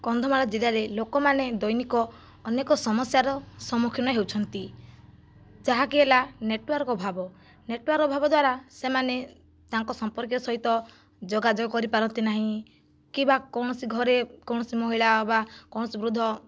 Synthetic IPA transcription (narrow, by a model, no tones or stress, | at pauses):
kɔnd̪ʱɔmaɭad͡ʒilaɾelokɔmaned̪ɔjnikɔː | nekɔsɔmɔsjaɾɔsɔmukʰjɔnɔɦewt͡ʃʰɔnt̪i | d͡ʒaɦakiɦelaneʈwɔɾkɔbʱabɔ | neʈwaɾkɔbʱabɔd̪waɾasemane | t̪aŋkɔsɔmpɔɾk̬jɔsɔɦit̪ɔ | d͡ʒɔɡad͡ʒɔɡɔkɔɾipaɾɔnt̪inaɦĩ | kibakɔwɽ̃ɔsiɡʱɔɾekɔwɳ̃ɔsimɔɦiɭaɔbakɔw̃ɔsibɾud̪ʱːɔ